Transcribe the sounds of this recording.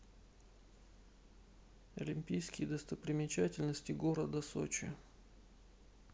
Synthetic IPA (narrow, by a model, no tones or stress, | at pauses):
ə̰lʲɪmʲpʲijskʲɪjd̪əst̪əpɾʲɪmʲɪt͡ɕætʲɪlʲnəsʲtʲɪɡo̞ɾəd̪əso̰t͡ɕɪ̰